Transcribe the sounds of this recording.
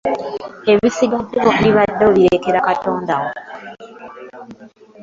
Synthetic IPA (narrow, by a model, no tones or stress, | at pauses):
e̞βisiɡadumoβiiβadːoβiɾekeɾakatoːndaɣo